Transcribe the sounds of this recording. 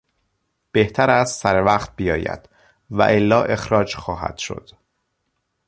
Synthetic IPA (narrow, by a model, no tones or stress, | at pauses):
b̥e̞ht̪ʰæɾæst̪sæɾevæːχt̪̚bijɒːjæ̰d̪̥ | væ̰ʔelːɒːʔe̞xɾɒːd͡ʒxɒːɦæ̰d̪̥ʃo̞̰d̪̥